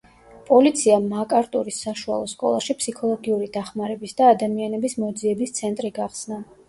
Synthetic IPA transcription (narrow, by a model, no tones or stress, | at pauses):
pʼɔlit̪sʰiamakʼaɾt̪ʼuɾisːaʃua̰lˠɔskʼɔ̰lˠaʃipʰsikʰɔlˠɔɡiuɾid̪aχmaɾɛbisd̪aːd̪amianɛbismɔd̪ziɛbist̪sʰɛnt̪ʼɾiɡaχsna